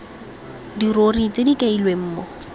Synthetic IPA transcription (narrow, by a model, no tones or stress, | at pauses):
dirorit͡sedikʼeilwem̩ːmɔ